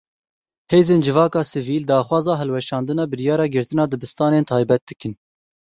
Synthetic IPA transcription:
heːzeːnd͡ʒɨvɑːkɑːsɨviːld̪ɑːxwɑːzɑːɦɛlwɛʃɑːnd̪ɨnɑːbɨɾjɑːɾɑːɡɨɾt̪ɨnɑːd̪ɨbɨst̪ɑːneːnt̪ʰɑːjbɛt̪̚d̪ɨkɨn

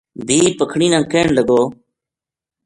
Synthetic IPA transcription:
bʱiːpəkʰɳiːnãːkeːɳləɡoː

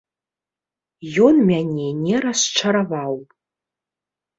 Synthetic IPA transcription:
jonmʲanʲenʲeɾasʈ͡ʂʷʰaɾavawpʼ

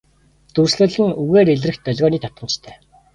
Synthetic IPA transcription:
t͡s̪ursɮɘ̆ɮɘ̆nuɣeːɾeɮrɘ̆xt̪̚pœɮʲʁɔːniːt̪ʰḁt̪̚ə̆mt͡ɕt̪ʰæ̥ː

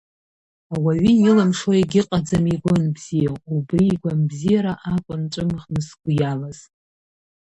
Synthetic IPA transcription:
awaɥiilamʂoeɡʲɪqʼad͡zamiɡʷʊnbz̥ijaubriːɡʷanbzijaɾaʔakʷʼʊnʈ͡ʂʷʼɨmχnɨsɡʷʊjalaz̥

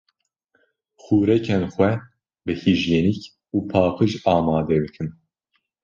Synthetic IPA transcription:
xuːɾɛkʰɛnxʷɛ | bɨhiʒjeːnik | uːpʰɑːpʰɨʒɑːmɑːd̪ɛbɨkʰɨn

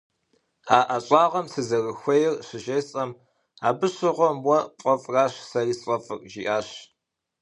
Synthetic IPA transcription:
aːʔɐɕʼɑːʁɐmsɨzɐrɨxʷejɪrɕɪʒeːsʼɐm | a̰ːbɨɕɨʁʷɔmwɔqʷʼɐfʼraːɕsɐriːsʼɐfʼɨrʼʒiːʔaːɕ

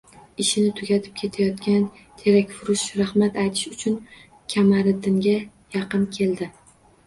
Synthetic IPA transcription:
ɪʃɪnɪt̪ʰʊɡʲat̪ʰɪ̥p̚kʲʰe̞t̪ʰajɒt̪kʲan | t̪ʰe̞ɾakʲfʊɾʊʃɾahmat̪ajt̪ʰɪ̥ʃʊt͡ʃʰʊn | kʲʰamaɾɪd̪ɪŋɡʲa | jɑqɨnkʲʰe̞ld̪ɪ

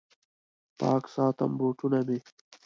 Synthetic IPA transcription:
pa̰ːksaːt̪ɐ̰mboːʈunɐme

